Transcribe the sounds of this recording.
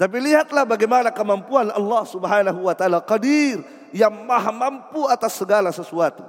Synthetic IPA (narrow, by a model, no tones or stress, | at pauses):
t̪ap̬iliɦat̪lahbaɡajmanakəmampuanɑ̰lːɑhsubəɦanaɦuwat̪aalaqadir | jaŋmaɦamampuat̪asːəɡalasəsuat̪u